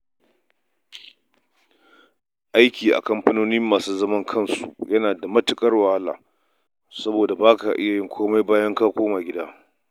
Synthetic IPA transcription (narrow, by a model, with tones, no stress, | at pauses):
ʔa˦jkʲiː˨ʔa̰˨kɐ˦mɸɐ˦noː˦ni˦mːaː˨suː˦zɐ˦mɐ˦ŋkʰɐ˦˨nsṵ˨jɐ˦naː˨da˨mɐ˦tʊ˦kʼɐ˦rwɐ˨ha˦la̰ː˨ | sɐ˦boː˨da˨baː˦ka̰˨ʔɪ̰˦ja˨jɪ˦ŋkʷʰoː˦ma˦jbaː˦jɐ˦ŋkaː˦kʷoː˦maː˨ɡʲɪ˦daː˦